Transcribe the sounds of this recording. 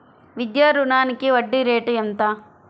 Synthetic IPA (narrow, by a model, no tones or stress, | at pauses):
ʋid̪jaːɾuɳaːnikiʋɐɖːiɾeːʈɐnt̪a